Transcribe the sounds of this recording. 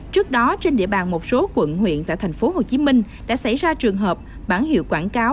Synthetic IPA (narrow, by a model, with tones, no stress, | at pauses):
t͡ɕɨ˦˥ək̚ɗɔ˨˦t͡ɕe˧nɗḭ˧˨əɓa̰ː˨˩nmo˨˩t̚so˨˦kwə̰˧˨nhwḭ˧˨ənt̪a̰ː˧˨t̪ʰjŋ̟fo˨˦ho˨˩t͡ɕi˨˦mï˧ŋ̟ | ɗa̰ː˧˥sa˧˩jzaː˧t͡ɕɨ˨˩əŋɦəː˨˩p̚ | ɓaː˧˩nhḭ˧˨əwkwaː˧˩nkaː˨˦w